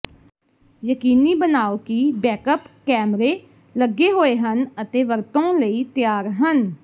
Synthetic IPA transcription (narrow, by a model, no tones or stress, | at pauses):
jəkiːniːbənaːoːkibɛːkəpkɛːmɾeː | ləɡːeːɦoːeːɦənət̪eːʋəɾt̪õːləiːt̪ɪjaːɾɦən